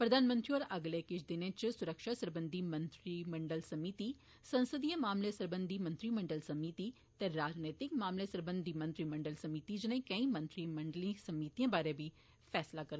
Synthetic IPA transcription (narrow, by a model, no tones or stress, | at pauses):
pɾəd̪ʱaːnmə̃nt̪ɾiɔːɾəɡleːkɪt͡ʃʰd̪ɪnẽːt͡ʃsʊɾəkʃaːsəɾbə̃nd̪ʱiːmə̃nt̪ɾiːməɳɖəlsəmiːt̪iː | sə̃nsəd̪ijãːmaːmleːsəɾbənd̪ʱiːmə̃nt̪ɾiːmə̃ɳɖəlsəmiːt̪iː | t̪ɛɾaːd͡ʒneːt̪ɪkmaːmleːsəɾbə̃nd̪iːmə̃nt̪ɾiːmə̃ɳɖəlsəmiːt̪iːd͡ʒɪnẽːkə̃ĩːmə̃nt̪ɾiːməɳɖəlĩːsəmiːt̪ijãːbaːɾẽːbiː | pʰɛːslaːkəɾ